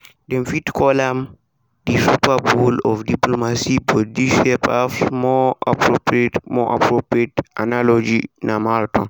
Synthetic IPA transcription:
dɛmfitkɔlam | disupabulɔfdiplomasibɔdiʃɛpafmɔa̰pɾopɾietmɔʔa̰pɾopɾietʔa̰nalɔd͡ʒinamaltɔn

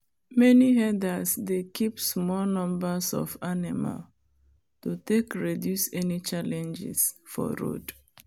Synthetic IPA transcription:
mɛniɦɛdəsdekʰipsmɔlnɔ̃mbəsɔ̰vanima̰l | tutekɹidjusɛnit͡ʃalɛ̃nd͡ʒɪ̰sfɔ̰ɹo̰d

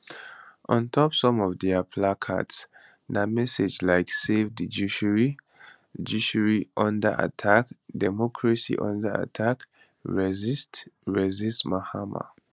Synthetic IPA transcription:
ʔɔ̃ntʰɔpsɔ̃mɔvdɛapʰlakʰa̰ts | namɛsed͡ʒlaɪksevdid͡ʒuʃɹi | d͡ʒuʃuɹiʔɔ̃ndə̰ʔa̰tʰakdɛmɔkʰɹasḭʔɔ̰̃ndəa̰tʰak | ɹɛzstɹɛzistmahama̰

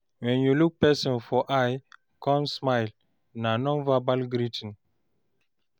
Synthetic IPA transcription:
wɛ̃njuluk̚pɛsɔ̃nfɔʔaj | kɔ̃nsmajl | nanɔ̃nvabalɡɾitə̃n

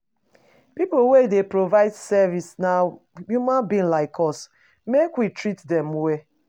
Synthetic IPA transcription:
pipowedepɹovaɪdsɛvisna | jumãnbĩnlaɪkʰɔs | mekwitɹitdɛ̃mwe

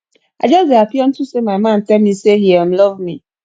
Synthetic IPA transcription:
ad͡ʒɔsdeapɔn̩tʊsemamãntɛlmiseɦiɛm̩lɔvmi

